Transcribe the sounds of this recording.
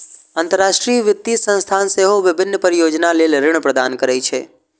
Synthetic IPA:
aːnt̪əɾːaʃʈɾiʋɪt̪ːisə̃nst̪ʰanseɦoʋɪbʱɪnːəpəɾjod͡ʒnalelɾɪɳ̃əpɾəd̪ankəɾajt͡ʃʰe

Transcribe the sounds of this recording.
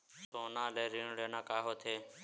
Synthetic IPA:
ssoːnãːleːɾiːɳɽeːnãːkaːɦoːt̪ʰeː

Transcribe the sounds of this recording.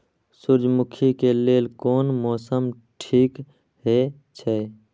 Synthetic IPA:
sʊɾd͡ʒmʊkʰikeleːlkoːnmɔːsəm | ʈʰiːk | ɦe | t͡ʃʰɛː

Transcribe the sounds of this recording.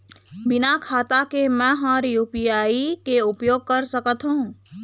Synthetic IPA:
bɪnakʰaːt̪akemɛ̃ɦãːɾjuːpijaːikeʊpjoːɡ̚kəɾsəkət̪ɦũː

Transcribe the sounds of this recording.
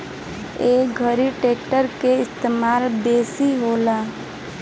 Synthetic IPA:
eːɡʱəɾiʈeːk̚ʈəɾkeɪst̪eːmaːlbeːsiɦoːlaː

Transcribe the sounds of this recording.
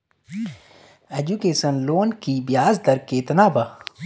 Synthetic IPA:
ed͡ʒukeːsənloːnkibijaːzd̪ɐɾkːet̪naːba

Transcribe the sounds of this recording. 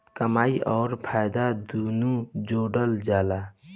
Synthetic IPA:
kəmaːiʔɔːɾpʰaːjd̪ad̪unud͡ʒoːɖəld͡ʒaːla

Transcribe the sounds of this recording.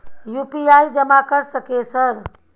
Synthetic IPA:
jupiajid͡ʒəmakəɾsəkesəɾ

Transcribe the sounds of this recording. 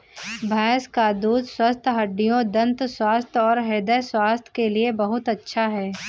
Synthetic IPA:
bʱɛːskad̪uːd̪swəst̪ʰɦɐɖːijõd̪ɐ̃nt̪swaːst̪ʰɔːɾɦeːd̪əswaːst̪ʰkeliebɐɦʊt̪ɐtːʃʰaɦɛː

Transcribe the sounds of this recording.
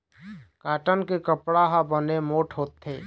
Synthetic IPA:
kaːʈənkekəpɽaɦabənemoːʈʰɦoːt̪ːeː

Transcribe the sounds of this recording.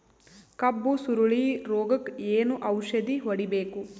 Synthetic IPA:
kɐbːusuɾuɭiɾoːɡɐkeːnuʔɐwʃɐd̪iɦoɽibeːku

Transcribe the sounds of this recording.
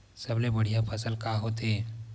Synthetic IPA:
səblebəɽ̤ijapʰəsəlkaɦot̪e

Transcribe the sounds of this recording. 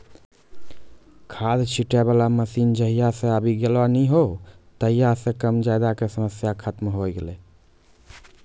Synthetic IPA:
kʰad̪t͡ʃʰiʈebalaməsind͡ʒəɦijasẽabʱiɡelbaniɦot̪əɦijasẽkəmd͡ʒajd̪akesəməsjakʰət̪mɦojɡelɛ

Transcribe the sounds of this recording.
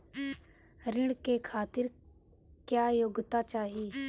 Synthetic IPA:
ɾɪɽkeːkʰaːt̪ɪɾ | kjaːjoːɡt̪aːt͡ʃaːɦiː

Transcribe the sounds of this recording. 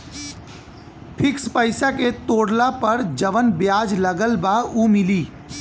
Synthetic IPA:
pʰɪkspəɪsaket̪oːɽlapəɾd͡ʒəʋənbjaːd͡ʒləɡəlbauːmɪliː

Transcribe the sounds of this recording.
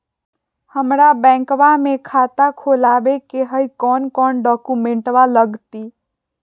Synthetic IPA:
həmɾabɛ̃ŋkbamekʰat̪akʰolabekeɦəikɔnkɔnɖɔkumeɳʈʋaləɡt̪i

